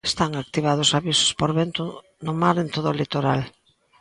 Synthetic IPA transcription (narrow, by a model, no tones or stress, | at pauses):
e̥st̪aŋak̚t̪iβ̞að̞ʊsaβisʊ̥spoɾβɛnt̪ʊ | nʊmaɾent̪oðʊlit̪oɾal